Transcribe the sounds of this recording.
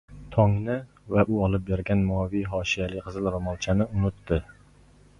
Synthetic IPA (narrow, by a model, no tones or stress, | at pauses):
t̪ʰɑŋnɪ | vɛʔuɑlˠɨp̚beɾɡʲɛnmuvijɦɑːʃijɛlɪkʲqʰəzɨlˠɾomɑlˠt͡ʃʰanɪʊnʊt̪ːɪ